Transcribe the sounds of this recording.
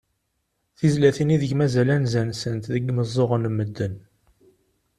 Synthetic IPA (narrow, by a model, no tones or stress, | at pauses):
θizlæθiniðəçmæzælænzænsənt̪ðəɡːməzˤːoʁənmːəd̪ːən